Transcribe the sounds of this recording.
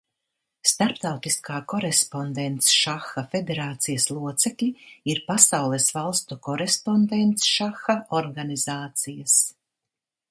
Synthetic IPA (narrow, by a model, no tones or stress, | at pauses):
st̪aɾpt̪awt̪iskaːkɔɾespɔnd̪ent̪sʃaxafed̪eɾaːt̪sijɐslˠuɔt̪sɛklʲiiɾpasawlˠɛsvalˠst̪ukɔɾespond̪ent̪sʃaxaɔɾɡanizaːt̪sijɐs